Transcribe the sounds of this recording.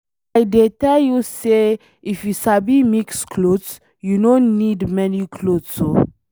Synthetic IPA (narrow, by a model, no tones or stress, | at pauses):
ajdetɛljuse | ifjusabimikskʰlods | junõnnidmɛnikʰlodso